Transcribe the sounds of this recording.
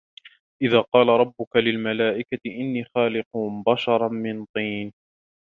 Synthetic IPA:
ʔɪðaːqɑːlaɾˤɑbːʊkalɪlmalaːʔɪkat̪ɪʔɪnːiːxaːlɪqʊbaʃɑɾˤɑnmɪnt̪ˤiːn

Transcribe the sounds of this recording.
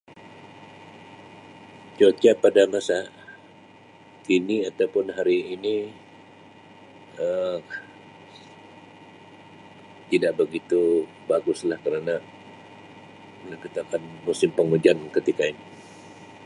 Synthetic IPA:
t͡ʃot͡ʃapadamasa | kiniat̪awpʊnɦaɾiːni | ə | t̪idaʔbəɡit̪u | baɡʊslahkəɾana | məkət̪akanmusɪmpəŋud͡ʒankət̪ikaini

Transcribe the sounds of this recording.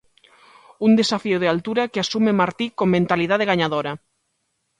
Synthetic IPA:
und̪esafioð̞ealt̪uɾakeasumemaɾt̪ikoŋmẽnt̪aliðaðeɣaɲaðoɾa

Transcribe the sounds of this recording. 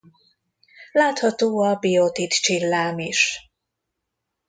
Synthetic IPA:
laːt̪hɒt̪oːɒbijot̪it̪t͡ʃilːaːmiʃ

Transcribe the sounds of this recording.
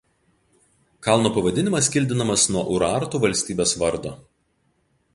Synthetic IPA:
kɑˑlˠnoːpɐʋɐd̪ʲɪnʲɪmɐsʲkʲɪlʲd̪ʲɪnɐmɐsnuɔʔʊɾɑːɾt̪uːʋɐlʲsʲt̪ʲiːbʲesʋɐɾd̪oː

